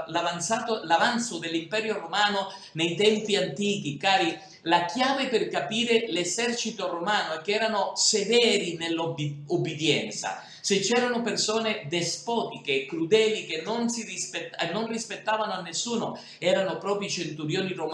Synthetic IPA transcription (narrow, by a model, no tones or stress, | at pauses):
lavant̪saːt̪olavant̪sod̪elːimpɛːɾjoromaːno | nejt̪ɛmpiant̪iːk̟ikaːɾi | lakjaːvepɪrkapiːɾelezɛrt͡ʃit̪oromaːnoɛkːeɛːɾanosevɛːɾinelːoubːid̪jɛnt̪sa̰ | set͡ʃːɛːɾanopersɔːned̪ɛspɔːt̪ikekːɾud̪ɛːlikenːonsirispetɛnːonrispet̪ːaːvanoanːesːuːno | ɛːɾanopɾɔːpɾit͡ʃent̪uɾjoːnirom